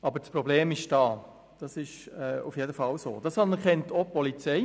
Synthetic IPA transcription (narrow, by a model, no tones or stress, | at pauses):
ɑbəɾspɾɔbleːmɪʃd̥ɑː | d̥ɑsɪʃɛːṵfjedəfɑlso̰ːd̥ɑsɑnɛɾkɛntopɔlit͡sɛɪ